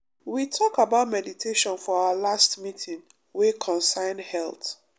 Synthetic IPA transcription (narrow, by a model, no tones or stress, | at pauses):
witʰɔkabaʊtmɛditʰeʃɔ̃nfɔaalastmitʰĩŋ | wekʰɔ̃nsãɪ̃ndhɛlt